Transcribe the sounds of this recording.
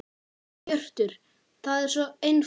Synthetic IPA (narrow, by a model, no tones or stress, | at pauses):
œr̥t̪ʏɾ̥ | θaðɛɾ̥sɔejn